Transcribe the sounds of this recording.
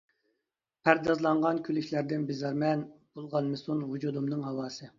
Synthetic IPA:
pʰæɾd̪ɑzlˠɑɴʁɑnkʲʰylɪkʲʰlæɾd̪ɪnbɪzɑɾmɛnb̥olˠʁɑnmɨsunɦud͡ʒud̪umnɨŋɦɑwɑːsɨ

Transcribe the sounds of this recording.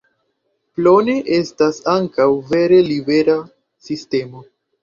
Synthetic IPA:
plo̞ne̞ʔe̞stasaŋkawve̞ɾe̞libe̞ɾa | siste̞mo̞

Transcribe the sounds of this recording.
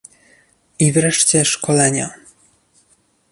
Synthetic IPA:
ivɾɛʂt͡ɕɛʂkɔlɛɲa̰

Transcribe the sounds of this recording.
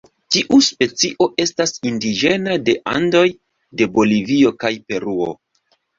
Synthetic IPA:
tiʔuspe̞t͡siʔo̞ʔe̞stasindid͡ʒe̞nade̞ʔa̰ndo̞j | de̞bo̞livio̞kajpe̞ɾuo̞̰

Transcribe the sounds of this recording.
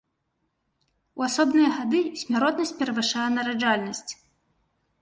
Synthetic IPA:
uasɔbnɨjɐɣad̪ɨsʲmʲaɾɔt̪nɐsʲt͡s̚ʲpʲɛɾɐvɨʂajɛnɐɾad͡ʐalʲnɐsʲt͡sʲ

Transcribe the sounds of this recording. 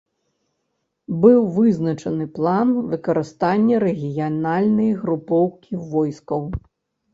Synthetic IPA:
bɨwvɨznɐt͡ʂɐnɨplˠanvɨkɐɾɨst̪anʲːɐɾɛɣʲijanalʲnɐjɣɾupɔwkʲivɔjskɐw

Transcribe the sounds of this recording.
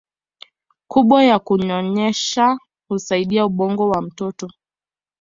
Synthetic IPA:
kuɓwajakuɲɔɲɛʃa | husaiɗiauɓɔŋɡɔwam̩tɔtɔ

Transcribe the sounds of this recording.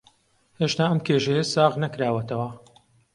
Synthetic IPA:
heʃt̪aːɐmkʰeʒejɐsaːʁnɐkɾaːwɐt̪ʰɐwɐ

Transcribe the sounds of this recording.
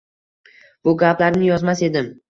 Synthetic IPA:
b̥ʊɡʲaplaɾnɪjɒzmase̞d̪ɪm

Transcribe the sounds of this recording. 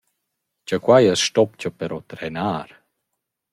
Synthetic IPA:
t͡ʃakwajəsʃtɔpt͡ɕəpɛɾɔt̪ɾɛnaːɾ

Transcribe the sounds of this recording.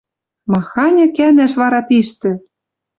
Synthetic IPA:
mɑxɑnʲɤ̆kænæʃβɑɾɑt̪iʃt̪ɘ̆

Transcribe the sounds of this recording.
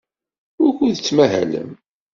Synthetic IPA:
ʊɾkuðt͡sːmæɦæ̰lə̰m

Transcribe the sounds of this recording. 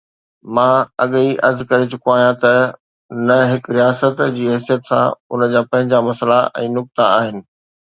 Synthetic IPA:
mãːɐɠiʔɐɾzkɐɾɪt͡ɕʊkoaːɦijãt̪ɐ | nɐɦɪkɾijaːsət̪d͡ʑiːɦɛsijət̪sã̰ʊnəd͡ʑaːpɐ̃ɦɪ̃ɲd͡ʑamɐsəlaʔɛ̰̃ːnʊk̚t̪aaːɦɪnɪ̆

